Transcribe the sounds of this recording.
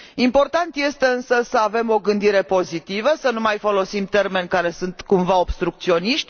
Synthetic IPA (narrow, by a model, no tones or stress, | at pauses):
impo̞rt̪ant̪je̞st̪e̞ɨnsəsəave̞mo̞ɡɨnd̪iɾe̞po̞zit̪ivəsənumajfo̞lo̞simt̪e̞rme̞nʲkaɾe̞sunt̪kumvao̞bst̪ɾuk̚t̪sio̞niʃt̪ʲ